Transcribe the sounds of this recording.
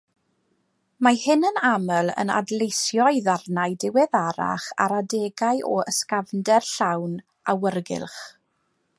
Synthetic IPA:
mahɪnənaməlˠə̰na̰dlˠejsjɔɨðarnaɨdɪwɛðaɾa̰χa̰ɾadɛɡaɨʔɔəskavndɛrɬawn | ʔawərɡɪ̰lˠχ

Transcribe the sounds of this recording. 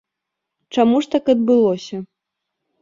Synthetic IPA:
t͡ʂamuʂt̪akɐd̪̚bɨlˠɔsʲɐ

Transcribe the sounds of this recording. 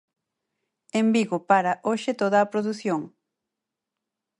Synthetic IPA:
embiɣʊpaɾɐʔoʃet̪oðɐːpɾoðuθjoŋ

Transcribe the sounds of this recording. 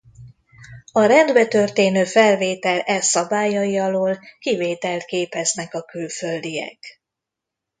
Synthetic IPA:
ɒɾɛnd̪bɛt̪ørt̪eːnøːfɛlveːt̪ɛlɛsːɒbaːjɒjiɒloːlkiveːt̪ɛlt̪keːpɛznɛkɒkylfø̞ld̪ijɛ̰k

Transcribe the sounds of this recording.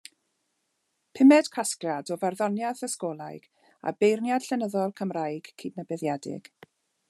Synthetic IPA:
pʰɪmɛd̥kʰaskrjadɔvarðɔnjaðəskoːlˠajɡ̥ | a̰bejrnjad̥ɬɛnəðɔlˠkʰəmrajɡ̥ʰidnəbɛðjadɪ̰ɡ̥

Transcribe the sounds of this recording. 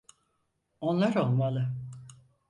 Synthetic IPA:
onlˠaɾo̞lˠmalˠɯ

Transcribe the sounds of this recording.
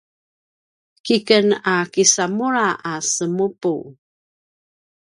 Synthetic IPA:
kikənakisamuɾaʔasəmupu

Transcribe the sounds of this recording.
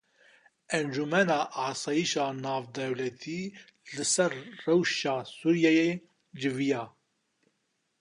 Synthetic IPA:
ʔɛnd͡ʒumɛnɑːʔɑːsɑːjiʃɑːnɑːvd̪ɛwlɛt̪ʰiː | lɨsɛɾːɛwʃɑːsuɾjɛje | d͡ʒɨvijɑː

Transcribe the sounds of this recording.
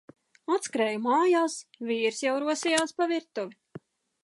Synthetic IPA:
ɔt̪skɾɛːjumaːjaːsviːɾsjawɾuɔsijaːspaviɾt̪uvi

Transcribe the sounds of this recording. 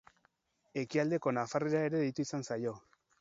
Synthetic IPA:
e̞kiald̪e̞ko̞nafare̞ɾae̞ɾe̞ðit̪uisansajo̞

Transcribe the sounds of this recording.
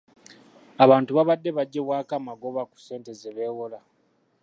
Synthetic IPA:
aβaːntuβaβadːe̞βaɟːe̞βwaːkamaɡo̞βaku̥se̞ːnte̞zeβe̞ːwola

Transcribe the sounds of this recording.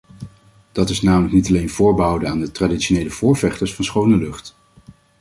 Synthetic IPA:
d̥ɑtɪsnaːmələknitɑlejnvʊːɹbəɦʌwdənaːndətraːditʃonejləv̥ʊːɹvɛχtəɹsfɑnsχownəlɵχt

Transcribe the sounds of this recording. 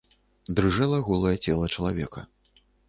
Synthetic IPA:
d̪ɾɨʐɛlˠɐɣɔlˠɐjɛt͡sʲɛlˠɐt͡ʂɐlˠavʲɛkɐ

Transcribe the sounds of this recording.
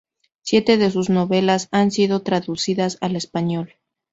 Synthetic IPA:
sje̞t̪e̞ðe̞s̬uzno̞βe̞lasansiðo̞t̪ɾaðusiðasale̞spaɲo̞l

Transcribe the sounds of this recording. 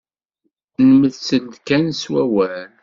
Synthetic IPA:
nəməðsənd̪kænswæwæl

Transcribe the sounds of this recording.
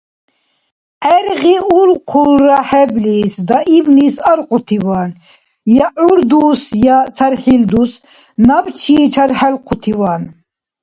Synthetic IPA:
ɛɾɣiulqʰulɾaħɛblisd̪aʔibnisaɾqʼut̪ʰiwan | jauɾd̪usjat͡sʰaɾħild̪us | nabt͡ʃʰiːt͡ʃʰaɾħɛlqʰut̪ʰiwan

